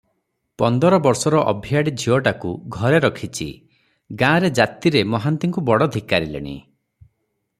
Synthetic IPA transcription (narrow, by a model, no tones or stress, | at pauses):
pɔnd̪ɔɾɔbɔɾsɔɾɔʔɔbʱijaɽid͡ʒʱiɔʈakuɡʱɔɾeɾɔkʰit͡ʃʰḭ | ɡãːɾed͡ʒat̪iɾemɔɦant̪iŋkubɔɽɔd̪ʱikaɾilḛɽ̃ḭ